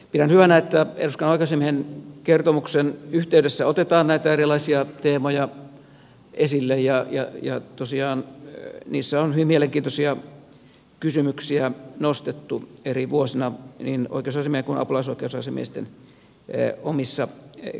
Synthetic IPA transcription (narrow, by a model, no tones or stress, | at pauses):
piɾænhyʋænæet̪ːæḛruskɑnoˑikeosemiehenkert̪omuksenyht̪eydesːæot̪et̪ɑːnnæit̪æerilˑɑisiɑt̪eːmojɑ | ʔesilːejjɑjɑ̰jɑ̰t̪osiɑːnniːsːæonhyʋimieleŋkint̪osiɑ | kysymyksiænost̪et̪ːueriʋuosinɑnino̰ikˑeosɑˑsemieheŋkunɑ̰pulɑisoikeousɑsemḭˑst̪ḛn | omisːɑ